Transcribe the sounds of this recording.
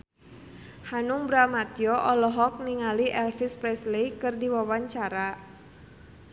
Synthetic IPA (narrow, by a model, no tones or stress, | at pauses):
hanuŋbɾamat̪jɔʔɔlɔɦɔk̚niŋaliʔɛlfispɾɛslekɨrdiwawaɲt͡ʃaɾa